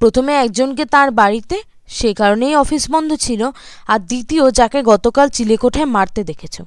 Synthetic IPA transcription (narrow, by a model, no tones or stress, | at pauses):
pɾot̪ʰomeɛk̚d͡ʑonket̪ãɾbaɾit̪e | ʃekaɾonejɔfisbɔnd̪ʱot͡ɕʰiloaɾd̪it̪iod͡ʑakeɡɔt̪okalt͡ɕilekoʈʰaemaɾt̪ed̪ekʰet͡ɕʰo̰